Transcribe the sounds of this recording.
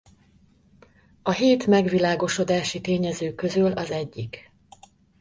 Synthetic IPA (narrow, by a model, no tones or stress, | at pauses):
ɒɦeːt̪mɛɡʋilaːɡo̞ʃo̞d̪aːʃit̪eːɲɛzøːkø̞zylɒzɛɟːik